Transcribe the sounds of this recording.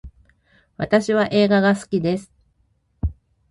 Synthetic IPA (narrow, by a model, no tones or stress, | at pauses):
βat̪aɕiβ̞aʔe̞ːɡaɡasɨ̥kʲid̪e̞sɨ̥